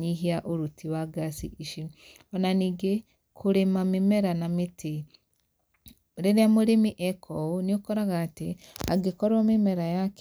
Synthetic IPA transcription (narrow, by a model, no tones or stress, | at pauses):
ɲiɦiaʔoɾutiwaɡasḭiʃi | ɔnaniːɡe | kʰoɾemamemɛɾanametʰe | ɾeɾeamoɾemiʔɛkʰɔoniokɔɾaɣaːtea̰ɡekɔɾwamemɛɾajak